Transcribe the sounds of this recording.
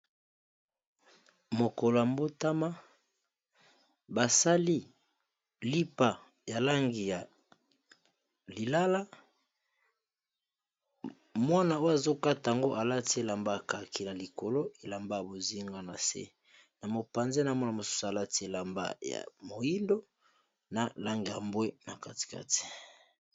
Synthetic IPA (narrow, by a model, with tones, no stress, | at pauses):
mo˨ko˨lo˨a˨mbo˦ta˦ma˦ | ba˨sa˦li˦ | li˦pa˨ | ja˨la˦ŋɡi˨ja˨ | li˨la˦la˦ | mwa˦na˨o˦ja˨zo˦ka˦ta˨ja˨ŋɡo˦ʔa˨la˦ti˦e˦la˨mba˦ja˨ka˨kʰi˨na˨li˨ko˨lo˦e˨la˨mba˦ja˨bo˨zi˦ŋɡa˦na˨sḛ˦ | na˨mo˨pa˨nze˦na˨mɔ˦na˨mo˨su̥˦su˨a˨la˦ti˦e˦˨la˨mba̰˦˨ja̰˨mo˨ji˦ndo˦ | na˨la˦ŋɡi˨ja˨mbwe˦na˨ka˦ti̥˨ka̰˦ti̥˨